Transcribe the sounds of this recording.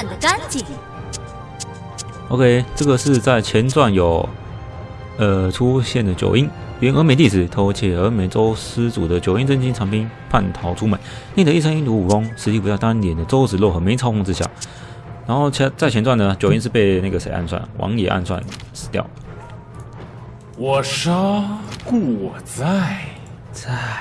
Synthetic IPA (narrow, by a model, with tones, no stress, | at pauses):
nd̪ə˨a˥nt͡ɕi˨˩ | o˧˥kʰe˥ɪʈ͡ʂɤ˥˩ɡə˩ʂɻ̩˥˧t͡sa˥˩ɪt͡ɕʰjɛ˧˥nt͡swa˥˩njo˨˩ʊ | ə˧ʈ͡ʂʰu˥ɕjɛ˥˩nd̪ə˩t͡ɕjo̰˨˩ʊi˥n˨˩˧ŋə˧˥me˧˥ɪt̪i˥˩ʂɹ̩˨˩t̪ʰo˧˥ʊt͡ɕʰɛ˥˩ə˧˥me˧˥ɪt͡so˥ʊsɹ̩˥t͡su˨˩d̪ə˦t͡ɕjo˨˩ʊi˥nt͡sə˥nt͡ɕi˥nʈ͡ʂʰɑ˧˥ŋpi˥npʰa˥˩nt̪ʰɑ˧˥ʊʈ͡ʂʰu˥mə˨˩˦nne˥˩də˨i˥˩ʂʰɤ˥ŋi˥nt̪u˧˥u˨˩fʊ˥ŋʂɻ̩˧˥t͡ɕʰi˥˩pu˧˥t͡sa˥˧ɪt̪a˥nt̪jɛ˨˩nd̪ə˦t͡so˥ʊt͡sɹ̩˨˩lwɔ˥˩xɤ˧˥me˧˥ɪt͡sʰɑ˥ʊkʰɑ˥˧ŋt͡sɹ̩˥˧ɕja̰˥˩ | ɻa˧˥nxo˥˧ʊt͡ɕʰt͡sa˥˩ɛ˧˥nt͡swa˥˩nd̪ə˩˦t͡ɕjo˨˩ʊi˥nʂɻ̩˥˧pe˥˧ɪna˥˩ɡə˩se˨˩ɪʔa̰˥˧nswa̰˥˩nwɑ̰˧˥ŋjɛ˨˩ʔa̰˥˧nswa̰˥˧nʂʰɻ̩˧˥t̪jɑ˥˩ʊ | wɔ˨˩ʂɑ˥ku˥˨˩t͡sa˥˧˩ | t͡sa˥˩